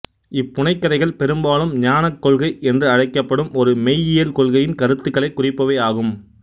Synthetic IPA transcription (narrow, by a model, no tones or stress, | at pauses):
ɪpːʊɳɐɪkːɐɾɐɪɣɐɭpɛɾɯmbaːlɯmɲaːnɐkːɔɭɣɐɪʔɛndrɯɐɻɐɪkːɐpːɐɽɯmɔɾɯmɛjɪjɛlkɔɭɣɐjɪnkɐɾɯt̪ːɯkːɐɭɐɪkːʊrɪpːɐʋeːaːɣɯm